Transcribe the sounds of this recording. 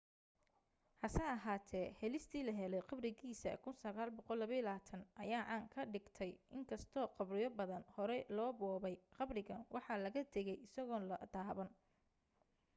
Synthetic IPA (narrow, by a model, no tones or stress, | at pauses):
hɐsɛɐɦaːt̪ʰɛːhɛlɪst̪ʰiːlɐɦɛlɛjqɑbrɪɣiːsɐ̰kʰʊnsɐɣaːlbɔqɔlːɐβɐɪlaːt̪ʰɐnɐjaːʔaːŋkʰɐɖɪɡt̪ʰɛjɪŋkʰɐst̪ʰɔːqɑbrɪjɔbɐðɐnhɔɾɛlɔːbɔːβɛjqɑbrɪɣɐnwɑħɑlɐɣɐt̪ʰɛɣɛjɪsɐɣɔːnlɐd̪̥aːβɐn